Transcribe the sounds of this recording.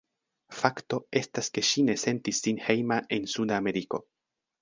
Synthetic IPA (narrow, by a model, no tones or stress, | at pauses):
fakto̞e̞staske̞ʃine̞se̞ntisːinhe̞jmaʔe̞nsudame̞ɾiko̞